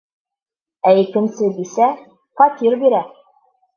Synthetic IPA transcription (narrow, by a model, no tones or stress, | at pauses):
æikɘ̆nsɘd̪isæ | pɑt̪ʲiɾbiɾæ